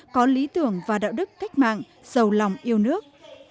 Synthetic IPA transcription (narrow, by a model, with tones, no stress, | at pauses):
kɔ˨˦li˨˦t̪ɨ˨˧˩əŋvaː˨˩ɗa̰ː˧˨wɗɨ˦˥k̚ka˦˥jk̟̚ma̰ː˧˨ŋ | z̥ə˨˩wla˨˩wŋ͡mʔi˧əwnɨ˦˥ək̚